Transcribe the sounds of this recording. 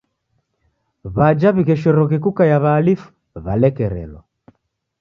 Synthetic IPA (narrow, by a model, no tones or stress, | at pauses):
βad͡ʒaβiɣɛʃɔɾɔɣɛkukajaβaːlifu̥ | βa̰lɛkɛɾɛ̰lɔ